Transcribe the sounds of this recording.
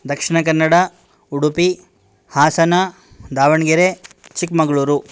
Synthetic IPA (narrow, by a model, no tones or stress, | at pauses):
d̪ɐkʂiɳɐkɐnːɐɽɐ | uɽupi | haːsɐnɐ | d̪aːʋɐɳɡiɾet͡ʃikmɐɡɐɭuːɾu